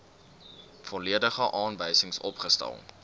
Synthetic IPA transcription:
fɔliədəχəʔɑːnvəjsəŋsɔ̰pχəstæ̰lˠ

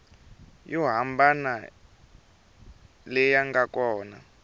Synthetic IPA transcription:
jɔɦambana | lɛjaŋɡakɔːna

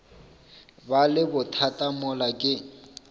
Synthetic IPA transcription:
balɪbʊtʰatʼamʊlakʼɪ

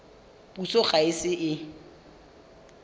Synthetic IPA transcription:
pusoχʼaɪsɪʔɪ

